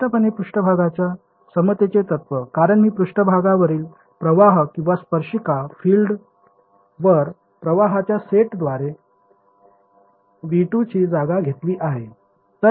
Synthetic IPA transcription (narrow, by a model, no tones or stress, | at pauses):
ʈəpənepɾuʂʈəbʱaɡat͡ɕja | səmət̪et͡set̪ət̪ʋəkaɾəɳmiːpɾuʂʈəbʱaɡaʋəɾiːl | pɾəʋaɦkĩw̃ʋaspəɾʂikafiːlɖ | ʋəɾ | pɾəʋaɦat͡ɕjaseʈd̪ʋaɾe | ʋiʈut͡ɕiːd͡zaɡaɡʱet̪liːʔaɦe | t̪ə